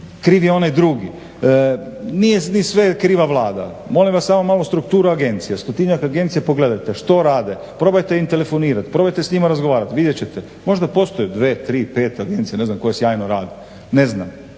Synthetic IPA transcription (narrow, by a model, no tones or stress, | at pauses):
kɾiːʋjeo̞najd̪ɾuːɡi | nijenisʋe̞kɾiːʋaʋlˠaːd̪a̰ | mo̞limʋasːaːmomalost̪ɾukt̪uːɾuaɡe̞nt̪sijast̪ot̪iɲakaɡe̞nt̪sijepo̞ɡle̞d̪ajt̪eʃt̪o̞ɾaːd̪e | pɾo̞bajt̪eint̪e̞le̞fo̞niːɾat̪pɾo̞bajt̪esɲimaɾazɡoʋaːɾat̪ʋid̪jet͡ɕet̪e | mo̞ʒd̪apo̞st̪o̞jud̪ʋeːt̪ɾiːpe̞ːt̪aɡent̪sijene̞znamko̞jesjaːjnoɾaːd̪i | neznam